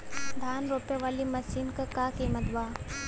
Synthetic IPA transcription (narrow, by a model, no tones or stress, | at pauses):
d̪ʱaːnɾoːpeʋaːlimɐsiːnkɐkaːkiːmət̪ʋaː